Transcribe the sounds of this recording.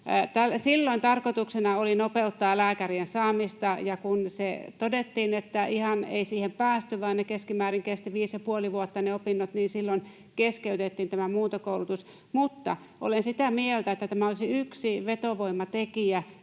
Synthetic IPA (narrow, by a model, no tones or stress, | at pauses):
t̪ælsilːoint̪ɑrkot̪uksenɑolinopeut̪ːɑːlæːkæriensɑːmist̪ɑjɑkunset̪odet̪ːiːnet̪ːæihɑnḛisiːhempæːst̪yʋɑinnekeskimæːriŋkest̪iʋiːsjɑpuoliʋuot̪ːɑneopinːot̪niːnsilːon | keskeyt̪et̪ːiːnt̪æmæmuːt̪okoulut̪us | mut̪ːɑ̰ | ʔo̰lensit̪æmielt̪æet̪ːæt̪æmæolisiyksiʋet̪oʋoimːɑt̪ekiæ